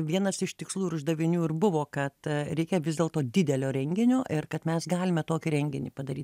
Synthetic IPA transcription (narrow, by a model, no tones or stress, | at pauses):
ʋʲiɛnɐsɪʃt̪ʲɪkslˠuːɪɾʊʒd̪ɐʋʲɪnʲuːɪrbʊʋoːkɐt̪ɾʲɛɪkʲɛʋʲɪzd̪ʲeːlˠt̪oːd̪ʲɪd̪ʲɛlʲoːɾʲɛŋʲɡʲɪnʲoːʔɪrkɐt̪mʲɛsɡɑːlʲɪmʲɛt̪oːkʲiɾʲɛŋʲɡʲɪnʲḭpɐd̪ɐɾʲiːt̪ʲ